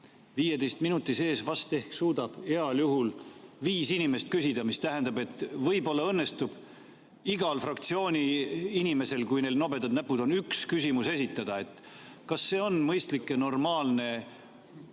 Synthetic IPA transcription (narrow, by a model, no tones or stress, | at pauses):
viːje̞d̪ejst̪minut̪ːˑise̞ːsvɑst̪e̞hksuːd̪̥ɑb̥e̞ɑljuɦulviːsinime̞st̪̚kysid̪̥ɑmist̪æɦend̪̥ɑbe̞t̪ːˑvɤjbo̞lːɑɤnːe̞st̪ub̥ | iɡ̥ɑlfrɑkt̪sio̞ːnʲiinime̞se̞lkujne̞ːlno̞be̞t̪ːɑd̪næpːud̪̥o̞nykskysʲimuse̞s̬ʲit̪ːˑɑd̪̥ɑe̞t̪ːˑ | kɑsːe̞ːo̞nmɤjst̪likːˑeno̞rmɑːlne̞